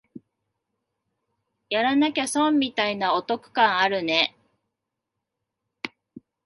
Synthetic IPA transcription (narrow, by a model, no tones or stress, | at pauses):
jaɾanakʲasõmːʲit̪ainao̞t̪o̞kɯ̟̥kãɰ̃aɾɯ̟ne̞